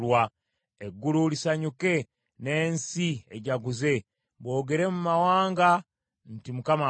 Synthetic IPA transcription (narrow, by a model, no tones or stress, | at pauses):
wa | eɡːululisaɲuke̞ | ne̞ːnsieɟaɡuze̞ | βwo̞ːɡe̞ɾe̞mumawaːŋɡa | ntimukama